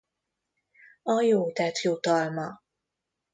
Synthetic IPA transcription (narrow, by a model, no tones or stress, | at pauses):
ɒjoːt̪ɛt̪jot̪ɒlmɒ